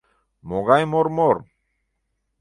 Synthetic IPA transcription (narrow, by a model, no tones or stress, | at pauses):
moɡajmoɾmoɾ